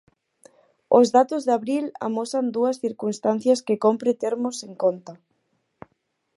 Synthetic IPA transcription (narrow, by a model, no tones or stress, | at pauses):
ozðat̪ozðaβɾila̰mosand̪uɐsθiɾkunst̪an̟θjɐskekompɾet̪eɾmoseŋkont̪a